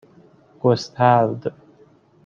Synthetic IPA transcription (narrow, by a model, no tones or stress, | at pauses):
ɡ̥ʷɔst̪ʰaːvd̪ɨ